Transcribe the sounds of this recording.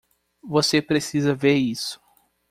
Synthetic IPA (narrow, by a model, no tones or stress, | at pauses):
vosepɾesizɐveɾisʊ̥